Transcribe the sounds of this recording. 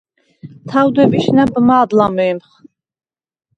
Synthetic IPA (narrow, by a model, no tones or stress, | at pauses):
t̪ʰawd̪ɛbiʃnabmaːd̪lamɛːmχ